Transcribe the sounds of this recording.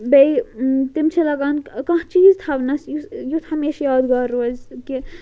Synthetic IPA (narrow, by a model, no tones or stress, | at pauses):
bejt̪imt͡ʃʰilɐɡaːnkɐ̃ɦt͡ʃiːzt̪ʰɐbnɐsjujut̪ʰɦɐmeːʃjaːd̪ɡaɾuzki